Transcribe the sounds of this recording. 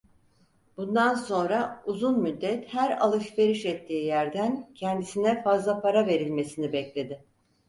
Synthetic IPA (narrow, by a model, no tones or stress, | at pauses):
b̥und̪anso̞nɾauzunmyd̪ːɛt̪hæɾa̰lˠɯʃve̞ɾiʃɛt̪ʰːiːjæɾd̪æncʰɛnd̪isinɛfazlˠapʰaɾave̞ɾilʲme̞sinibɛclʲe̞d̪ɪ